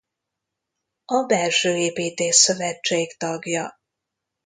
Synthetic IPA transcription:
ɒbɛlʃøːeːpiːt̪eːʃsø̞vɛt͡ʃt͡ʃːeːkt̪ɒɡjɒ

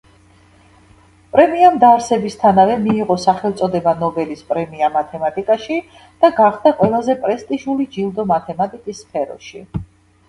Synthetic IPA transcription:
pʼɾɛmiamd̪aɾsɛbist̪ʰanavɛmiːʁɔsaχɛlˠt̪sʼɔd̪ɛbanɔbɛlispʼɾɛmiamat̪ʰɛmat̪ʼikʼaʃi | d̪̥aɡaχd̪aqʼwɛlˠazɛpʼɾɛst̪ʼiʒulid͡ʒilˠd̪ɔmat̪ʰɛmat̪ʼikʼisːpʰɛɾɔ̰ʃḭ

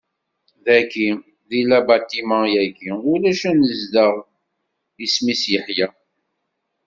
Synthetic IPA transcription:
ðæki | ðilæbæt̪imɑ̃jæɡiulæʃænəzd̪əʁ | ismisjəħjæ

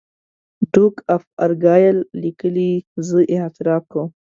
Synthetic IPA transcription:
ɖukafaɾɡɑjəlːikəlizəʔɪht̪ɪɾɑp̚kəw

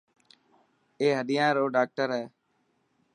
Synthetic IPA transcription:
eːɦəɗ̪ɪjãːɾoːɖaːk̚ʈəɾɦɛː

